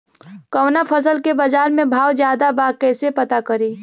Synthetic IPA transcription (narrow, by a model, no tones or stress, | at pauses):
kɐwnapʰəs̬əlkebɐd͡ʒaːɾmẽbʱaːwd͡ʒjaːd̪abaːkɛːsepɐt̪akəɾiː